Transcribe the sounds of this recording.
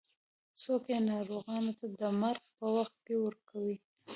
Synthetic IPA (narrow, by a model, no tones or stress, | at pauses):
sokjenɑɾoɣɑnot̪ad̪əmaɾɡpəwaxt̪̚kewəɾkawi